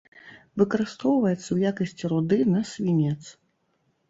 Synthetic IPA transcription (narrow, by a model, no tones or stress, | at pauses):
vɨkɐɾɨst̪ɔwvɐjɛt̪sːɐwjakɐsʲt͡sʲiɾud̪ɨnɐsʲvʲinʲɛt̪s